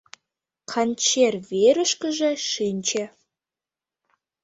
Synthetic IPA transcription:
kʰɑnʲt͡ɕerβeɾə̆ʃkə̆ʒĕʃinʲt͡ɕe

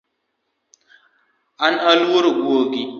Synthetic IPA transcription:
analwuɾɡoɡi

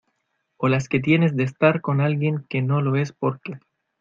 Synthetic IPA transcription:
o̞laske̞t̪̬je̞ne̞z̬d̪eːs̬t̪aɾko̞nalɣje̞ŋke̞no̞lo̞e̞spoɾke

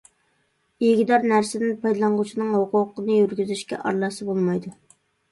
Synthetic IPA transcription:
iɡʲid̪ɑɾnæɾsɪd̪ɪnpʰɑjd̪lˠɑɴʁʊt͡ʃʰinɨŋhʊqʰʊqənɨjyɾɡʲyzyʃkʲɛ̰ʔɑ̰ɾlˠɑsɨbolˠmɑjd̪u

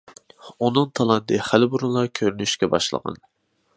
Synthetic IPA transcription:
unɨŋt̪ʰɑlˠɑnt̪ɨχælɪbuɾulˠɑkʲʰøɾynyʃkʲɛbɑ̰ʃlˠə̰ʁɑ̰n

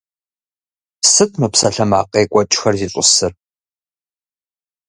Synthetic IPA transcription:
sɨtʰmɨpsɐɬɐma̰ːqʼeːkʷʼɔt͡ʃʼxɐrziːɕʷʼʊsɨr

